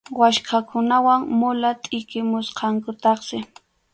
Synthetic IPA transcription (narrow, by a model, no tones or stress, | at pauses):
waʃkʰakʊnawaŋmʊlat̪ʼɪkɪmʊsqʰɑŋkʊt̪ɑχsɪ